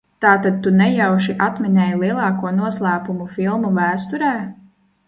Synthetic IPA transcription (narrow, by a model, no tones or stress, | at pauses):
t̪aːt̪ad̪̚t̪unɛjawʃiʔat̪minɛːjlˠiɛlˠɑːkuɔnuɔslˠæːpumufilˠmuvæːst̪uɾɛː